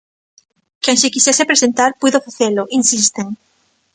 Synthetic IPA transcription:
keŋʃekisɛsepɾesent̪aɾpuðofaθelʊʔinsist̪eŋ

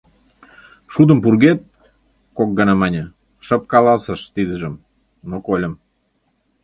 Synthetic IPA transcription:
ʃud̪ə̆mpurɣet̪̚ | kok̚ɡənɑmɑnʲə̆ | ʃə̆p̚kɑlɑsəʃt̪id̪əʒə̆m | nokolʲə̆m

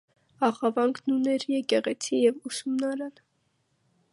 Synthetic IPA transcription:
ɑχɑvɑŋɡʰnunɛɾjɛkɛʁɛt͡sʰijɛvusumnɑɾɑn

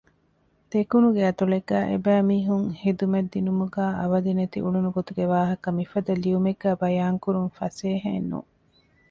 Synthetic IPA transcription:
t̪ekunuɡeɐt̪uɭeɡæːʔḛbæːmiːɦuŋhed̪umed̪ːinumuɡæːʔɐʋɐd̪inɐt̪ḭʔuɭunuɡot̪uɡeʋaːɦɐkɐmifɐd̪ɐliumeɡːæːbɐjaːŋkuɾunfɐseːɦenːṵ

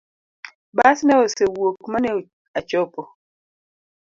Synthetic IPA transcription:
basnɛɔsewokmane | at͡ʃɔpɔ

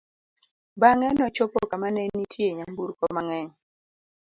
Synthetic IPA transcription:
baŋɛnɔt͡ʃopokamanɛnitʰjeɲambuɾkɔmaŋɛɲ

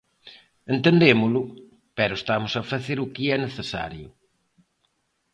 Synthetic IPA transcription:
ent̪end̪emʊlʊ | pɛɾʊest̪amʊsɐfɐθeɾʊkɪɛneθesa̰ɾjʊ

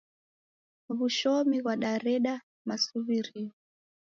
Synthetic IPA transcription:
βuʃɔmiɣwaɗaɾɛɗa | masuβiɾiɔ

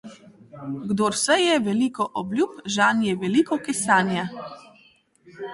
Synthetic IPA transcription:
ɡd̪oːɾsɛjɛʋɛlikɔʔɔblʲjuːpʒanjɛʋɛlikɔkɛsaːnja

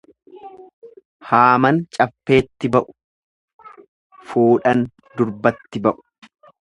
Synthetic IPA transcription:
haːmɐnt͡ʃʼɐfːe̞ːt̪ːɪbɐʔʊ̥ | fuːᶑɐn | d̪ʊɾbɐt̪ːɪbɐʔʊ̥

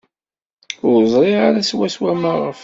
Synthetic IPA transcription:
ʊɾzˤɾˤiʁaɾæswæswæmaʁəf

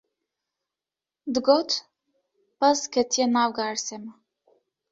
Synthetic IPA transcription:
d̪ɡɔt̪ | paskət̪jɛnavɡaɾsɛm

